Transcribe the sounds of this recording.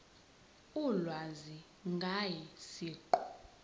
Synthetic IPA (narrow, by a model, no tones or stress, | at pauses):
ulwazi | ŋɡʱajisiːǃɔ̥